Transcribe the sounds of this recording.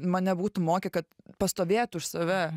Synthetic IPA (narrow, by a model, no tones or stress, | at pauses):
mɐnʲɛbuːt̪ʊmoːkʲɛkɐt̪pɐst̪oːʋʲeːt̪ʊʃsɐʋʲɛ